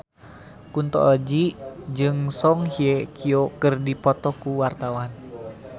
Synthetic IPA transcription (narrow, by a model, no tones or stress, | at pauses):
kunt̪ɔ̰ʔːd͡ʒid͡ʒɨŋsɔŋhiekʰiokərdipɔt̪ɔkuwart̪awan